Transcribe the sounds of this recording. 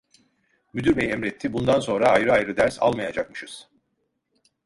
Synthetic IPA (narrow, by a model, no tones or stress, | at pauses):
myd̪yɾbɛjɛmɾɛt̪ʰːibund̪anso̞nɾaːjɾɯajɾɯd̪æɾsa̰lˠmajad͡ʒak̚mɯʃɯz̥